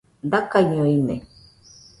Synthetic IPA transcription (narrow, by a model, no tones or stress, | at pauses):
nd̪akaiɲoinḛ